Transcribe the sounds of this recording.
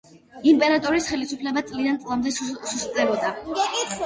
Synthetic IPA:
impʼɛɾat̪ʼɔɾisχɛlisupʰlɛbat̪sʼlid̪ant̪sʼlˠamd̪ɛsusʼɛbɔd̪a

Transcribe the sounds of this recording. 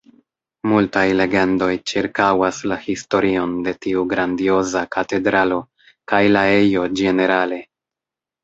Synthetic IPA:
multajle̞ɡe̞ndo̞jt͡ʃiɾkawaslahisto̞ɾio̞nde̞tiuɡɾandio̞zakate̞dɾalo̞ | kajlae̞jo̞d͡ʒe̞ne̞ɾale̞

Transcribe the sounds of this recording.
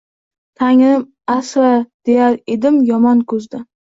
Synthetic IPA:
t̪ʰaŋɪm | asɾad̪̥e̞jaɾed̪ɪmjɒmɒnkʰɵzd̪a

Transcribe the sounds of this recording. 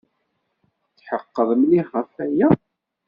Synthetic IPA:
t͡sːħəqːəðˤəmliʁəfæjæ

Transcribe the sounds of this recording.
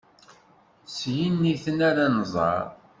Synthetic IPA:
sjinːiθənæɾanzˤɑ̰ɾˤ

